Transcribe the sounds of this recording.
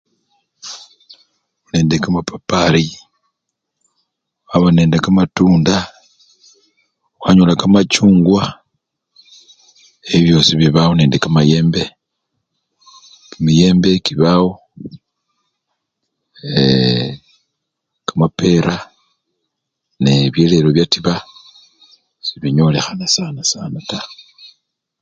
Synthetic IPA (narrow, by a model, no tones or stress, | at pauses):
uneːndekamapʰapaɾi | waβaneːndekamatuːnda | waɲolakamacuːŋɡwa | eβjo̞ːsiβiβawoneːndekamajeːmbe | kimije̞ːmbe̞kiβawo | kamape̞ɾa | neβje̞le̞loβjatiβa | siβiɲo̞le̞xanasanasa̰nata